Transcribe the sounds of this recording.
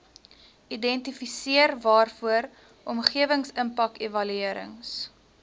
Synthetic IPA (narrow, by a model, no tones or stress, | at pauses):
idɛntifisiərvɑːrfuəɾ | ʔɔmχiəvəŋsəmpɐkevɐlyiəɾə̰ŋs